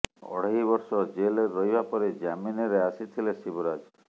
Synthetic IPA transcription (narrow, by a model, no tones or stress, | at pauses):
ɔ̰ɽ̤aɦibɔɾsɔd͡ʒeleɾəjbapɔɾed͡ʒamineɾeasit̪ʰilesibuɾad͡ʒ